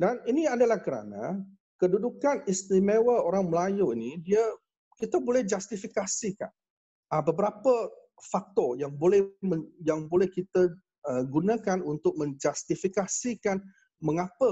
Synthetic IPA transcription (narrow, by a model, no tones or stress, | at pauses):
daniniadalahkəɾa̰na̰ | kədudukanist̪imewəoɾaŋməlajuinidia | kit̪abolɛhd͡ʒast̪ifikasika̰n | abəbəɾapə | fak̚t̪ɔjaŋbolɛhməjaŋbolɛhkit̪ə | əɡunakanunt̪ʊk̚mə̃ɲd͡ʒast̪ifikasikan | məŋapə